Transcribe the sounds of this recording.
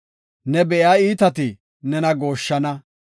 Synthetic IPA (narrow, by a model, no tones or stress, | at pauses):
nɛbɛʔjaːiːt̪ɐt̪ɪ | nɛnɐɡo̞ːʃːɐnɐ